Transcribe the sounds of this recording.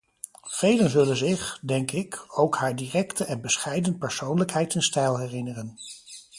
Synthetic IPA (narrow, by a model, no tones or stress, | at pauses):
v̥ejlənzɵlənzɪχdɛŋkɪkowkɦaːɹdiːrɛktəʔɛnbəsχɛjdənt̚pɛɹsownləkɦɛjtɪnstɛjlˠɦɛrɪnərən